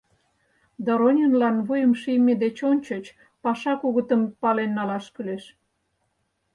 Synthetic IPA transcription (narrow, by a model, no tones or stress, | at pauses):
d̪oɾonʲinlɑnβujəmʃijmʲed̪et͡ɕonʲt͡ɕə̆t͡ɕ | pɑʃɑkuɣət̪əmpɑlenːɑlɑʃkyleʃ